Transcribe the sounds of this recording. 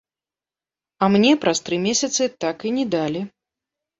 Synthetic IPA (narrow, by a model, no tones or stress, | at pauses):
ɐmnʲɛpɾɐst̪ɾɨmʲesʲɐt̪sɨt̪akinʲɛd̪alʲi